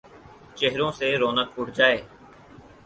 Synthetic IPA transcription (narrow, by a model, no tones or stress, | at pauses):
t͡ʃeɦɾõːseːɾoːnəkʊʈʰd͡ʒaːeː